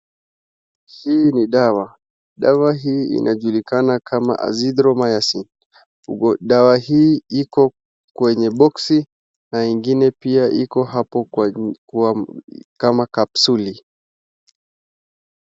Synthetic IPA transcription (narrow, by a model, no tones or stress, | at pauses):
hiːniɗawa | ɗawaɦiːḭnʔaʄulikanakʰama̰ʔa̰zidɾɔmajasin | ɔɗawahiːikɔ | kwɛɲɛɓɔksi | naiŋɡinɛpiaʔikɔɦapɔ | wakamakapsuli